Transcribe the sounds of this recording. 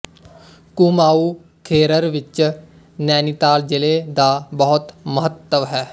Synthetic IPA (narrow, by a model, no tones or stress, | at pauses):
kuːmaːuː | kʰeːɾəɾʋɪt͡ʃ | nɛːnit̪aːld͡ʒɪleːd̪aːbəɦʊt̪məɦət̪ːəʋɦɛː